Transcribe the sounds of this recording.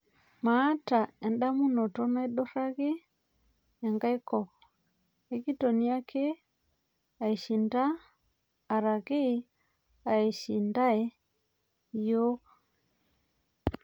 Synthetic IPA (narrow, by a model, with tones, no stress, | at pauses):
maː˨˦ta˨ɛ˨nda˦mu˦nɔ˨tɔ˦na˦i˦ɗo˦ɾa˦ɣe˦ | ɛ˨ŋɡa˦i˦kɔ˨ɣ | ɛ˦ki˦tɔ˨ni˦a˦kʰe˦ | a˨i˨ʃi˨ndaː˦˨ | ɾa˨ɣi˦ | a˨i˨ʃi˨nda˦ɛ˨˦ | jo˦ɣ